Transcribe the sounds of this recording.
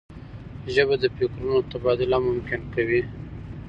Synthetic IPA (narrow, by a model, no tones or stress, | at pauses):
ʒəbad̪əpikɾunot̪abɑd̪ɪlamʊmkɪnkawi